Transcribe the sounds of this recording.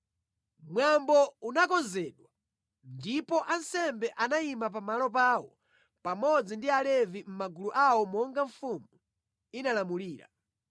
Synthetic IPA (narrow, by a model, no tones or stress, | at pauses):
mwambɔunakɔnzɛɗwa | ndipɔʔansɛmbɛʔanaimap̬amalɔpaːwɔ | pamɔd͡zindialɛvim̩maɡuluʔawɔmɔŋɡaɱfumu | inalamuliːɾa̰